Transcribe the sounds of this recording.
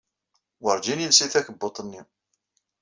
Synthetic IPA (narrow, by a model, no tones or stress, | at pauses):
wəɾˤd͡ʒinjəlsiθæçbot̪ˤnːi